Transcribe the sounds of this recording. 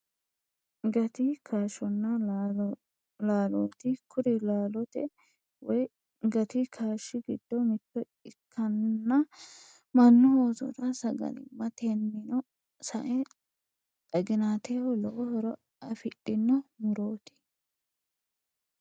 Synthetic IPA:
ɡɐt̪ɪkʰaːʃɔnːɐ | laːloːt̪ɪkʰʊd̪ɪlaːlɔt̪ɛ | wɔj | ɡɐt̪ɪkʰaːʃːɪɡɪd̪̥ːɔmɪt̪ːɔ | ɪkʰːɐnːɐ | mɐnːɔhoːzɔ̰d̪ɐsɐɡɐ̰nɪ̰mɐt̪enːɪnɔ | sɐʔɛ | t̪ʼɐɡɪnaːt̪ʰewɔlɔʔɔhɔɾɔ | ɐfɪɗɪnːɔmʊɾoːt̪ɪ̥

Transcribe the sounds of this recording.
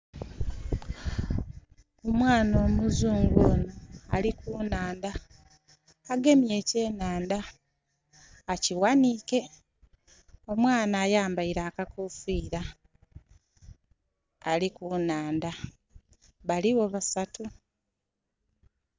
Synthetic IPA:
omwaːno̞ːmuzuːŋɡoːnoalikuːnaːnda | ɡe̞mje̞ːce̞ːnaːnda | ciwanike̞ | o̞mwaːnaːjaːmbaiɾaːkakofiːɾa | likuːnaːnda | βaliwo̞βasatu

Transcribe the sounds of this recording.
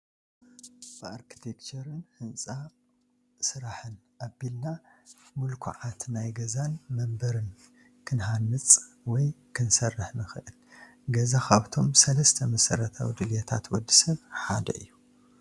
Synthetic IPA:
b̥ɨaɾkʰi̥t̪ʰekt͡ʃɐɾɨnhɨnt͡sʼa | sɨɾaħɨnʔabilnamulkʰṵʕat̪najɡɐzanmɐmbɐɾɨn | kʰɨnɦanːɨt͡sʼ | wɔj | kʰɨnsɐrːɨħnɨxɨʔɨl | ɡɐzakʰaβt̪ʰo̞msɐlɐst̪ʰɐmɐsɐɾɐt̪ʰa̰wid̪ɨljet̪ʰa̰t̪wɔd̪ːisɐβħad̪ɐ̰ʔɨ̰jːu

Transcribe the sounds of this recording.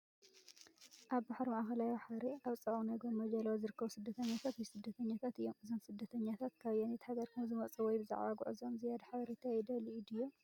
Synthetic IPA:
ʔaβbaħɾmaʔxɐlajbaħaɾeʔaβt͡sʼɐʔunajɡomːɐd͡ʒɐlawzɨɾɨkːɐβusɨd̪ːɐt̪ʰɐɲːat̪ʰat̪wjsɨd̪ːɐt̪ʰɐɲːat̪ʰat̪ɨjːomʔɨzonsɨd̪ːɐt̪ʰɐɲːat̪ʰat̪kʰaβjanet̪haɡɐɾkʰɨzɨmɐt͡sʼɨwɔjbɨza̰ʕβaɡṵʕɨzomzɨjad̪ħaβɐɾet̪ʰaɛd̪ɐliʔid̪ɨjːo

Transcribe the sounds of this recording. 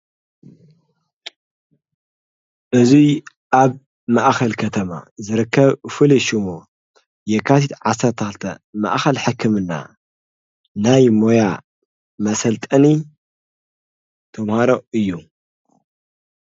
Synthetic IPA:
ʔɨzi | ʔaβ | maʔxɐlkʰɐt̪ʰɐma̰zɨɾɨkʰːɐβfɨliʃumo | jɛkʰːat̪ʰit̪ʕasːɐɾt̪ʰɐxɨlt̪ʰɐma̰ʔxɐlħɨkʰːɨmɨnːa̰ | najmo̞ja | mɐsɐlt̪ʼɐni | t̪ʰɐmhaɾo̞ɨjːu

